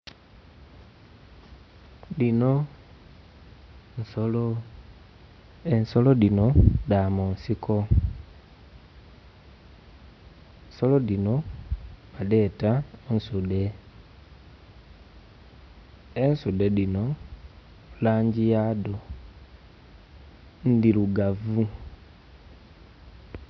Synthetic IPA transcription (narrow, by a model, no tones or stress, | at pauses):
dino | n̩solo | ensolodinodamoːnsiko | nsolodino | made̞ːtaonsude̞ | ensudeðino̞ | laːɲɟijado | ndiluɡavu